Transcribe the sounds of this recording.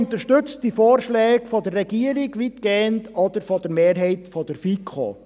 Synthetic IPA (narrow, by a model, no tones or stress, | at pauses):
nt̪əɾʃtʏt͡stːifoːɾʃlɛːɡfɔdərːɛɡiːəɾɪɡʋitɡ̥eːəntɔd̥əɾfɔd̥əɾmeːɾɦɛɪtfɔd̥əɾfiːkʰχo̰ː